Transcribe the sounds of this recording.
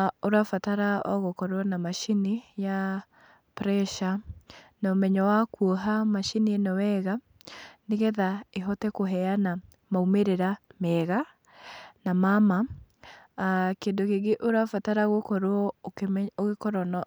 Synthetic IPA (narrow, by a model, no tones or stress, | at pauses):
oɾafataɾaɔɣokɔɾwɔnamaʃinija | pɾɛʃanaomɛɲɔwakwoɦamaʃinienɔwɛɣa | neɣɛðaeɦɔtɛkoɦɛana | maumeɾeɾamɛɣa | namama | keːndoɣeɡeʔoɾafataɾaɣokɔɾɔ | oɣekɔɾɔnɔ